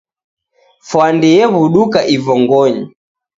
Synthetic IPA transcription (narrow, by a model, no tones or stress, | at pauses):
fwandiɛβuɗukaʔivɔŋɡɔɲi